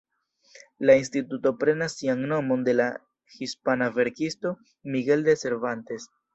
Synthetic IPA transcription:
lainstituto̞pɾe̞nasːiaŋno̞mo̞nde̞la | hispanave̞ɾkisto̞ | miɡe̞lde̞se̞ɾvante̞s

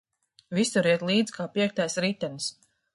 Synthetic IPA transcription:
visuɾiɛt̪lˠiːd̪zkʰaːpiɛk̚t̪ajsɾit̪ːɛnis

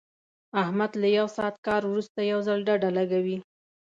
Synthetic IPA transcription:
ahmad̪lajawsɑːt̪kɑɾwɾust̪ajawzalɖaɖalaɡawi

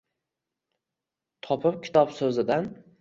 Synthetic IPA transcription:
t̪ʰɒpʰɪp̚kʲʰɪ̥t̪ʰɒpsɵzɪd̪an

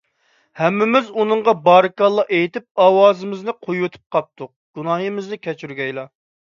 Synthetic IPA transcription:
hɛmːɪmɪzunɨŋʁɑbɑːɾɨkɑlˠːɑʔejt̪ɪp̚ɑːwɑːzɨmɪznɪqʰojwut̪ʰɨ̥p̚qʰɑp̚t̪ʰʊq̚ɡ̥unɑɦimɪznɪkʲʰɛt͡ʃʰyɾɡʲɛjlˠɑ

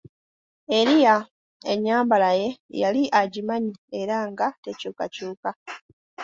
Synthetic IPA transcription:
eɾija | ḛɲaːmbalaje̞jaliʔaɟimaɲieɾaŋɡatecuːkacuːka

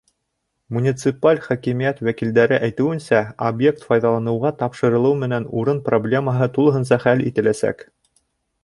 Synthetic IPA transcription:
munʲit̪sɨpalʲχækimijæt̪wækild̪æɾɘʔæjt̪ɘ̆wɘ̆nsæobje̞k̚t̪fɑjðɑlˠɑnɤ̆wʁɑt̪ɑpʃɤ̆ɾɤ̆lˠɤwmɘ̆nænuɾɤnproblʲe̞məɦɤt̪ulˠɤ̆ɦɤ̆ns̬ɑχælḭt̪ɘ̆læsæ̰k

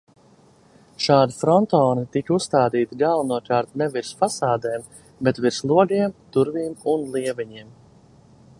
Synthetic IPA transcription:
ʃaːd̪ifɾɔnt̪ɔːnit̪ikusst̪aːd̪iːt̪iɡalˠnuɔkaɾt̪nɛviɾsfasaːd̪ɛːm | bet̪viɾslˠuɔɡiɛmt̪uɾviːmunlˠiɛvɛɲiɛm

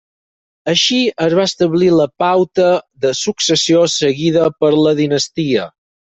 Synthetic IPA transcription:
əʃiəzβaəst̪əβliləpawt̪əðəsuksəsiosəɣiðəpəɾləðinəst̪iə

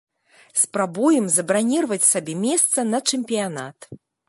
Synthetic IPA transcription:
spɾabujɛmzɐbɾanʲirvɐt͡sʲsabʲɛmʲɛst̪sɐnɐt͡ʂɨmʲpʲijana̰t̪

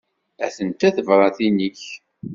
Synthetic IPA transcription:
æ̰θənt̪æθəvɾˤɑθiniç

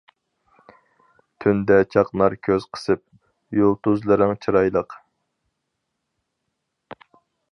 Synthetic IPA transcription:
t̪ʰynd̪ɛt͡ʃʰɑqnɑɾkʲʰøz̥qʰə̥sɨp̚ | jolˠt̪ʰuzlˠɨɾɨŋt͡ʃʰɨɾɑjlˠəq

